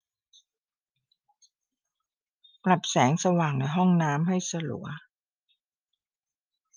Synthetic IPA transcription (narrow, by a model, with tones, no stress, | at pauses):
pla˨˩p̚sɛː˩˦ŋsa˧waː˨˩ŋna˧˦jɦɔ˥˩ŋnaː˦˥mɦa˥˩jsa˧lṵ˩˦ɐ